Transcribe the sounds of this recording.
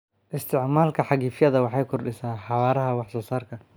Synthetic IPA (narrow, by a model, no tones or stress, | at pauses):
ʔɪst̪ʰɪʕmaːlkʰɐħɑɣiːfjɐðɐwɑħɑjkʰʊrɗɪsaːħɑwaːɾɐɦɐwɑħsɔːsaːrkʰɐ